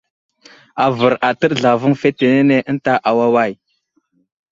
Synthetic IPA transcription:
a˨və˨ɾa˨tə˦ɗɮa˨vu˦ŋfe˦te˨ne˦ne˦ʔə˦n˦ta˦ʔa˨wa˦wa˦˨j

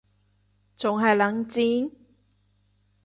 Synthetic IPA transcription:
t͡sʊ˨ŋɦɐ˨jlɐ˨˥ŋt͡siː˧˥n

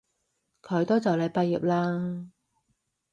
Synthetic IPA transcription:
kʰɵ˨˧ɥt̪ɔː˥t͡sɐ˨wle˨˧jpɐ˧jːiː˨p̚laː˧

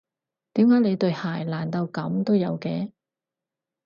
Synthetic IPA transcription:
t̪iː˨˥mkaː˨˥jne˨˧jt̪ɵ˧ɥhaː˨˩jlaː˨˩nt̪ɐ˧wkɐ˨˥mt̪o˥wjɐ˨˧wkɛː˧

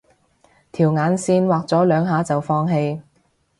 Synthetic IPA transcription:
t̪ʰiː˨˩wŋaː˨˥nsiː˧nwaː˨k̚t͡sɔː˨˥lœː˨˧ŋɦaː˨˥t͡sɐ˨wfɔː˧˥ŋɦe˧j

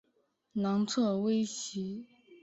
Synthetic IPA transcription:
nɑ˧˥ŋt͡sʰɤ˥˩we˥ɪɕi˧˥

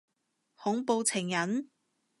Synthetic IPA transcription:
hʊ˨˥ŋpo˧wt͡sʰɪ˨˩ŋjɐ˨˥n

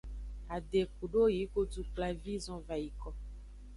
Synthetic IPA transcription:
a˨ɖe˨ku˨ɖo˦ji˨˦ɡo˦du˨k͡pla˨vi˦zɔ̃˦va˨ji˨kɔ˦

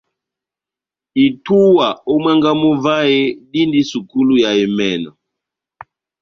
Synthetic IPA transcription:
i˨tu˦wa˨ɔ˦mwɛ˦ŋɡa˦mu˦va˦ɛ˦ɗi˦ndi˦su˨ku˦lu˦ja˨i˨mɛ˨nɔ̰˨

